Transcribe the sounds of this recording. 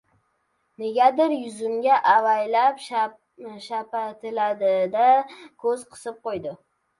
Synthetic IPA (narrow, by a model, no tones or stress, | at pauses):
neɡʲad̪ɪɾjʊzʊmɡʲaʔavajlap | ʃapat̪ʰɪlad̪ɪd̪akʰɵzqʰɨ̥sɨp̚qojd̪ɪ